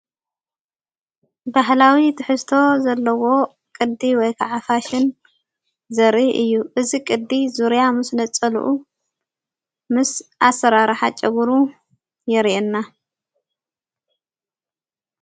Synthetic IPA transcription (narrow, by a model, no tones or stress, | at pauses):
baɦlawit̪ʰɨħɨst̪ʰo̞zɐlːɐwo̞ | kʼɨd̪iwɔjkʰaʕafaʃɪn | zɐɾiʔɨjːuʔɨzikʼɨd̪izuɾjamɨsnɐt͡sʼːɐlṵʔu | mɨsʔasːɐɾaɾħat͡ʃʼɐɡuɾu | jɛɾʔenːa